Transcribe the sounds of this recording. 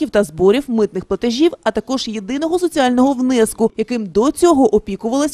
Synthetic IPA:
iwt̪ɐzbɔɾʲiwmɪt̪̚nɪxplˠɐt̪eʒʲiwɐt̪ɐkɔʒjed̪ɪnɔɦɔsɔt͡sʲialʲnɔɦɔwnɛskʊjɐkɪmd̪ɔt͡sʲɔɦɔʔɔpʲikʊʋɐlˠɐsʲ

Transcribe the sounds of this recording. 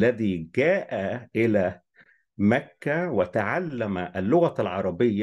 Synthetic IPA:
lːæðiːɡæːʔæʔɪlæː | mækːæwɪt̪aʕalːæmæʔælːʊɣælʕɑɾˤɑbɪjːa

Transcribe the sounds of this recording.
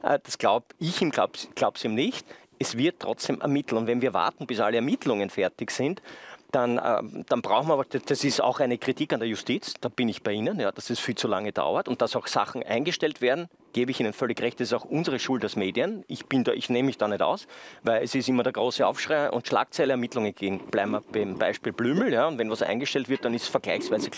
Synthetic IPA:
ʔəd̥asɡ̥laʊbɪçiːmɡ̥la̰ʊpsɡ̥laʊbpsd̥eːmnɪçt | ɛsv̥ɪɐttʰːʁ̥ɔt͡sd̥eːmʔɛ̰ɐmɪtl̩ʊntvɛnviːɐva̰ɐtn̩b̥ɪsa̰ləɛɐmɪtʰlʊŋənfɛɐtɪçsɪntd̥anə̰d̥anbʁaʊxn̩mɐabɐdd̥asɪsta̰ʊxæɪnəkʁ̥itʰiːkandeɐjʊstiːt͡sd̥aːb̥ɪnɪçb̥æɪiːnənjaːd̥asɛsfiːlt͡sula̰ŋəd̥a̰ʊɐtʊnt̚d̥asɑʊxsa̰xn̩ʔæ̰ɪnɡəʃtɛltveɐdn̩ | ɡ̥eːbəɪçiːnənfœlɪçʁɛçt̚d̥asɪsɔʊxʔʊnzəʁəʃultasmeːdiənɪçb̥ɪnda̰ːʔɪçneːməmɪçd̥aːnɛta̰ʊsvæɪlɛsɪstimɐdɛɐɡʁoːsəɑ̰ʊfʃʁaɪʔʊ̰ntʃla̰ːk̚t͡sæɪləɛɐmitlʊŋənɡ̥eːɡŋ̩b̥læ̰ɪbmabæɪmb̥æ̰ɪʃpiːlblyːml̩jaːʊntvɛnvasʔæ̰ɪnɡəʃtɛltv̥ɪɐt̚ːanɪstsfɛɐɡ̥læ̰ɪçsv̥æɪzə

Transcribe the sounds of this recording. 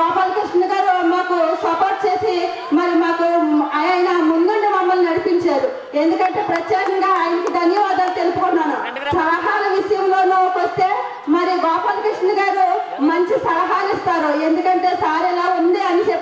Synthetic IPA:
aːpalkɾiʂnɐɡaːɾumaːkusɐpoːɾʈ̚t͡ʃe̞ːsi | mɐɾimaːkuɐɐjɐnɐmund̪uɳɖimɐmːɐlnɐɽipiɲt͡ʃaːɾu | e̞nd̪ukɐɳʈe̞ːpɾɐt͡ʃːaːɾɐŋɡaːaːjɐnɐkid̪ɐnjɐʋaːd̪aːlt̪elupukunːaːnu | sɐɾɐɦaːlɐʋiʂɐjɐmlo̞ːnoːkʋɐst̪e̞ː | mɐɾiɡaːpalkɾiʂnɐɡaːɾumɐɲt͡ʃisɐɾɐɦaːlist̪aːɾue̞nd̪ukɐɳʈe̞ːsaːɾɛlaːund̪iɐnit͡ʃe

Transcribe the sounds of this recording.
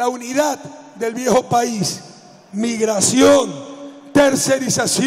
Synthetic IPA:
auniðat̪d̪elβjexopais | miɣɾasjont̪eɾseɾisas

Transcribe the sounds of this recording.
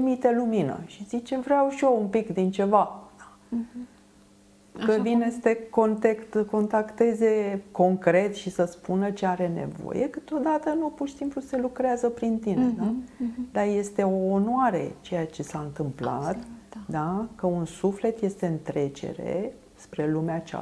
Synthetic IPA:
imit̪e̞luminə̰ʃizit͡ʃe̞vɾeawʃioumpikd̪int͡ʃe̞vaa | kəvinesə̥t̪e̞ko̞nt̪ekt̪əko̞nt̪akt̪e̞ze̞ko̞ŋkɾe̞t̪ʃisəspunət͡ʃeaɾe̞nḛvo̰je̞kɨt̪o̞d̪at̪ənupurʃi̥simpluse̞lukɾeazəpɾint̪ind̪ad̪aje̞st̪e̞o̞ːnoaɾe̞̰t͡ʃe̞jat͡ʃe̞saɨnt̪ɨmpla̰t̪d̪akəunsufle̞t̪je̞st̪e̞ɨnt̪ɾe̞t͡ʃe̞̰ɾe̞̰ | spɾe̞lumeat͡ʃa̰

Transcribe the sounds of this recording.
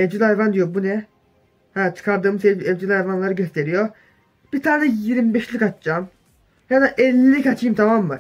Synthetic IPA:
ɛvʲd͡ʒilʲhajvand̪ijobunɛ | hæt͡ʃʰɯ̥kʰaɾd̪ɯːmɯzeɛvd͡ʒilʲhajvanlˠaɾɯɟøst̪ʰeɾijo | b̥iɾt̪ʰaːnɛjiɾmbɛʃlʲikat͡ʃ̪d͡ʒam | janaʔɛlʲːikat͡ʃʰiːmt̪ʰamamva̰ɾ

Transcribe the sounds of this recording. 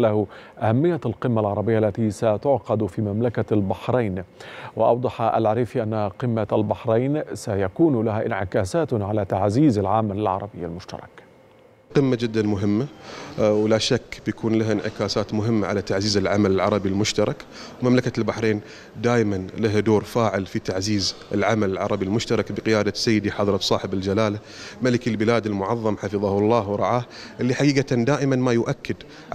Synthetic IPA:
lahʔahamːɪjːalqɪmːalʕɑɾˤɑbɪjːaʔalːat̪isat̪ʊʕqɑd̪fimamlakalbaħɾeːnwɪʔɑ̰wd̪ˤɑħɑʔa̰lʕaɾiːfiʔanːaqɨmːalbaħɾˤejːnsajakuːnlaɦaʔɪnʕɪkaːsaːt̪ʕalat̪aʕziːzalʕamalɪlʕɑ̰ɾˤɑbɪjːa̰lmʊʃt̪ɑ̰ɾˤɑ̰k | qɪmːad͡ʒɪd̪ːanmʊɦɪmːa | wlaʃakːbjakʰuːnlahʔɪnʕɪkaːsaːt̪mʊɦɪmːaʕa̰lat̪aʕziːzɪlʕa̰malɪlʕɑ̰ɾˤɑbilmʊʃt̪ɑɾˤɑkwmamlakalbaħɾeːn | d̪aːjmanlaɦd̪oːɾfaːʕɪlfit̪aʕziːzɪlʕamalɪlʕɑ̰ɾˤɑbilmʊʃt̪ɑɾˤɑkbəqɪjaːd̪asːajːɪd̪iħɑðˤɾˤɑt̪sˤɑːħɪbɪld͡ʒalaːla | malɪkilbɪlaːd̪ɪlmʊʕɑðˤːɑmħɑfɨðˤɑhlˤːɑːhwɾˤɑʕaːhʔɪlːiħaɡiːɡɑt̪and̪aːʔɪmanmajʊʔakːɪd̪ | ʕ

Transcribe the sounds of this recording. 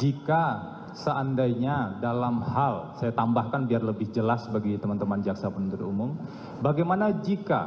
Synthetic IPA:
d͡ʒika | səʔandajɲadalamhalsajat̪ambahkanbiarləbɪhd͡ʒəlasbaɡit̪əmant̪əmand͡ʒaksapənunt̪əɾumʊm | baɡajmanad͡ʒika̰

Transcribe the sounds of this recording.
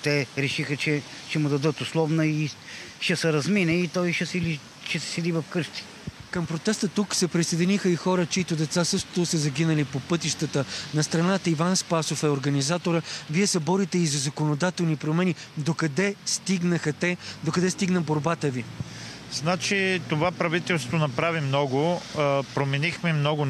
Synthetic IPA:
t̪ɛɾɛʃixət͡ʃɛ | ʃɛmʊd̪ɐd̪ɤt̪ʊslˠɔvnəiʃɛsɛɾɐzminɛit̪ɔjʃɛsɛli | ʃɛsɛ̥sɛd̪ivɐfkɤʃt̪i̥ | kəmpɾot̪ɛst̪ət̪uksɛpɾisɐjd̪ʲinixəixɔɾət͡ʃɛit̪od̪ɛt̪sasɤʃt̪t̪osəzɐɡʲinəlipopɤt̪iʃt̪ət̪ənɐst̪ɾɐnat̪əivanspasofɛoɾɡɐnizat̪oɾəviɛsɛbɔɾit̪ɛizɐzɐkonod̪at̪ɛlˠnipɾomɛnid̪okɐd̪ɛst̪iɡnəxət̪ɛd̪okɐd̪ɛst̪iɡnəboɾbat̪əvi | znat͡ʃit̪ovapɾɐvit̪ɛlˠsovt̪onɐpɾavimnɔɡʊpɾomɛnixmɛmnɔɡʊ

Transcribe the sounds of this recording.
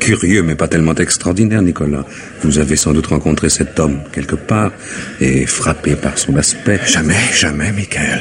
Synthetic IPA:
kʲʰyʁjømɛpat̪ɛlmɑ̃t̪ɛkst̪χɔʁd̪inɛʁnikɔla | vuzavesɑ̃d̪ut̪ʁɑ̃kɔ̃t̪χesɛt̪ɔmkʲɛlkəpaːʁ | ḛfχapepaʁsɔ̃naspɛʒamɛʒ̥amɛmikaɛl

